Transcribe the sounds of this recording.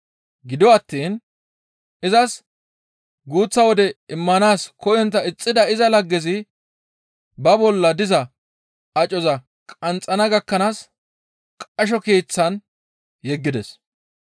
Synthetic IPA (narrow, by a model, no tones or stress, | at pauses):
ɡɪd̪ɔɐt̪ːiːn | ʔɪzɐs | ɡuːt͡sːɐwɔd̪ɛɪmːɐnaːskɔjɔnt̪ːɐɪt͡sʼːɪd̪ɐɪzɐlɐɡːɛzɪ | bɐbɔlːɐd̪ɪzɐ | ɐt͡ʃʼɔzɐ | kʼɐnt͡sʼɐnɐɡɐkːɐnaːs | kʼɐʃ̬ɔkeːt͡sːɐn | jɛɡːɪd̪ɛs